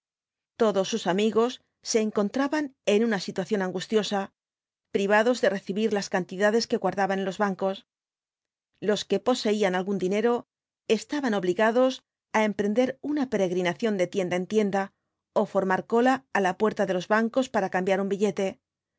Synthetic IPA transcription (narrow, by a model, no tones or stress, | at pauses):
t̪o̞ðo̞sːusamiɣo̞sː | e̞ːŋko̞nt̪ɾaβane̞nunasit̪waθjo̞naŋɡust̪jo̞sa | pɾiβ̞aðo̞zðe̞re̞θiβiɾlaskant̪iðaðe̞ske̞ɣwaɾðaβannlo̞zβaŋko̞s | lo̞ske̞po̞se̞ianalɣund̪ine̞ɾo̞ | e̞st̪aβano̞βliɣaðo̞s | ae̞mpɾe̞nd̪e̞ɾunape̞ɾe̞ɣɾinaθjo̞nd̪e̞t̪je̞nd̪ae̞nt̪je̞nd̪a | o̞fo̞ɾmaɾko̞laːlapwe̞ɾt̪aðe̞lo̞zβaŋko̞spaɾakambjaɾumbiʎe̞t̪e̞